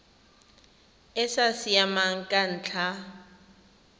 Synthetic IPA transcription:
ɪsasiamaŋ̩kʼan̩ːt͡ɬʰa

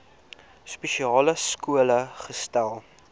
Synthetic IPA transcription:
speʃiɑːləskuələχəstælˠ

